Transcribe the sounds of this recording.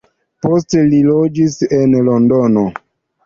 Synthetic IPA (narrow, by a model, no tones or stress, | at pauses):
postelilod͡ʒisenlondono